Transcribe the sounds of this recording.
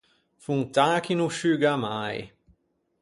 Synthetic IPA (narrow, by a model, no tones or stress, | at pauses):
fuŋt̪aːkinuʃyɡamaj